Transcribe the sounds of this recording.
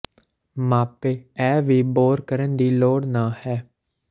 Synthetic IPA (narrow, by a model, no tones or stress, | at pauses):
maːpeːɛːʋiːboːɾkəɾənd̪iːloːɽnãːhɛː